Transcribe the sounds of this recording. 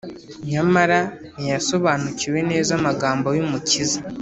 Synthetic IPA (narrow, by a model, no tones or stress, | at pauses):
ɲamaɾa | nijaso̞βaːnuciwe̞ne̞ːzamaɡaːmbojumuciza